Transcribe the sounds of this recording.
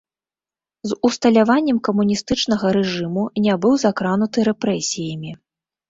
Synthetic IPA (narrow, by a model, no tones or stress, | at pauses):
zust̪ɐlʲavanʲːɛmkɐmunʲist̪ɨt͡ʂnɐɣɐɾɛʐɨmunʲabɨwzakɾan̪ut̪ɨɾɛpɾɛsʲijɐmʲi